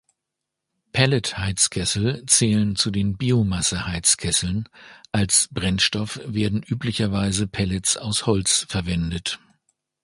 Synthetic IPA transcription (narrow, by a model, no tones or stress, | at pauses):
pʰɛləthaɪt͡skʰɛsl̩t͡sɛːlənt͡sudeːnbiːomasəhaɪt͡skʰɛsl̩nʔalsb̥ʁɛnʃtɔfv̥eːɐdn̩ʔyːplɪçɐvaɪzəpʰɛlɛt͡saʊshɔlt͡sfɛɐvɛndət